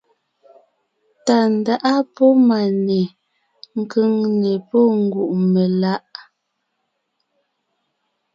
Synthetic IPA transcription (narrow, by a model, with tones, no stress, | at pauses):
ta˨n˨da˦ʔa˦pɔ˦ma˨nɛ˨ | ŋ̩˨kə˦ŋnɛ˨pɔ˦ŋ̩˨ɡu˨ʔme˨la˦ʔ